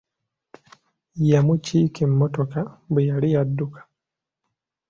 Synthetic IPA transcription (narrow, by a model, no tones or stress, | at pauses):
jamut͡ʃikim̩ːɔtɔkambejaliadːukḁ